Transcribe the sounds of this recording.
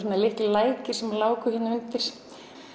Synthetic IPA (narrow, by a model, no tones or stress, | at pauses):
ɔnalɪht̪llaːjcɪɾ̥sɛmlaːwkʏhɪnːaʏnt̪ɪɾ̥